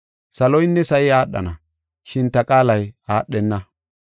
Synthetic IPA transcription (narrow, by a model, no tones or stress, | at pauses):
sɐlɔjɪnːɛsɐjɪaːɗːɐ̰nɐ | ʃɪnt̪ɐkʼaːlɐjaːɗːɛnːɐ